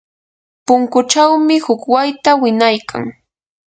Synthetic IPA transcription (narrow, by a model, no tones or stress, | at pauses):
pʊŋkʊt͡ʃawmɪhʊkwajt̪awɪnajkʰa̰ŋ